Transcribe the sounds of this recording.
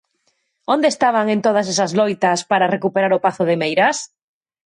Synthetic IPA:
ond̪est̪aβ̞aŋẽnt̪oð̞as̬esazlojt̪aspaɾarekupeɾaɾʊpaθʊðemejɾas

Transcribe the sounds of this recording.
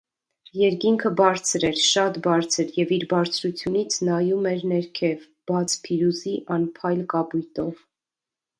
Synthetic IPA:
jɛɾkiŋkʰəbɑɾt͡sʰɾɛɾʃɑt̪bɑɾt͡sʰəɾjɛviɾbɑɾt͡sʰɾut͡sʰjunit͡sʰnɑjumɛɾnɛɾkʰɛv | b̥ɑt͡sʰpʰiɾuziʔɑnpʰɑjlkɑbujt̪ɔv

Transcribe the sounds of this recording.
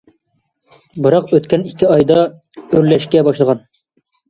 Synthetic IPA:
bɨɾɑqøt̪kʲɛnikʲʰːɪɑjd̪ɑ | øɾlɛʃkʲɛbɑʃlˠəʁɑn

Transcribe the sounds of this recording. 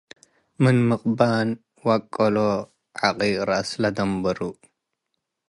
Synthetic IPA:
mɨnmɨqʼban | wakʼːɐlo | ʕaqʼiɾaslɐd̪ɐmbɐɾu

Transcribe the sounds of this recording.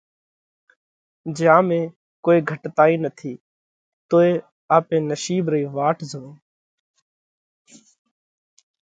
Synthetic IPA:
d͡ʒaːmẽː | koːiːɡʱəʈt̪aːiːnət̪ʰiː | t̪oːeː | aːpẽːnəʃiːbɾəiːʋaːʈʰzəʋẽː

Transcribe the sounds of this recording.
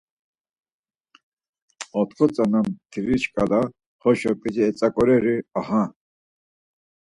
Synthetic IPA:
ɔt̪ʰχʰɔt͡sʼanamt̪ʰiɾit͡ʃkʼala | hɔʃɔpʼid͡ʒiɛt͡sʼakʼɔɾɛɾiahã

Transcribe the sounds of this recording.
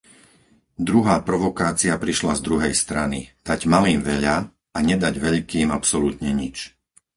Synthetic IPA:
d̪ɾuɦaːpɾɔʋɔkaːt͡siapɾiʃlazd̪ɾuɦɛjst̪ɾanḭd̪̥aɟmaliːmʋɛʎa | aɲɛd̪aɟʋɛʎkiːmapsɔlut̪ɲɛɲit͡ʃ

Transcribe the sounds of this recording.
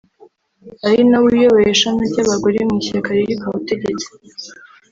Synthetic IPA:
aɾinaβuijoβaeʃanabɟaβaɡoɾemŋisiɾikaɾejikaβate̞ɟet͡se̥

